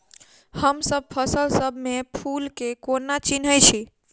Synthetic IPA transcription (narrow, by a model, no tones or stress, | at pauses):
həmsəb̚pʰəsəlsəbʱmepʰulkekonat͡ʃinɦət͡ʃʰi